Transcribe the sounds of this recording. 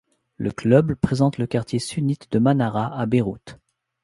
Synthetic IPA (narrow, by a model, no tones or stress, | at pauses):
lə̰klœbpχezɑ̃t̪ləkaʁt̪jesynit̪d̪əmanaʁaʔabeʁṵt̪